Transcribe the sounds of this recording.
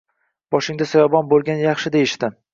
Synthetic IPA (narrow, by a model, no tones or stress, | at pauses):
b̥ɒʃɪŋd̪asajɒbɒnbolˠɡʲanjɑχʃɪd̪e̞jɪʃd̪ɪ